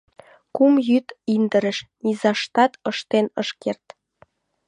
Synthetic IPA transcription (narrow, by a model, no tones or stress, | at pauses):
kumjyt̪ind̪ə̆ɾə̆ʃnizɑʃt̪ɑt̪ɤʃt̪enəʃkert̪